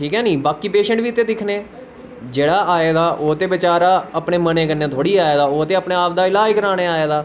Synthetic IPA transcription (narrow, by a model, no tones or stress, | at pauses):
ʈʰiːkɦɛːniːbaːkiːpeːʃə̃ɳʈʋiːt̪eːd̪ɪkʰneː | d͡ʒeːɽaːaːeːd̪aːʔoːt̪eːʋɪt͡ʃaːɾaːəpɳeːməneːkənːeːt̪ʰoːɽiːaːeːd̪aːoːt̪eːəpneːaːp̚d̪aːɪlaːd͡ʒkəɾãːneːaːeːd̪aː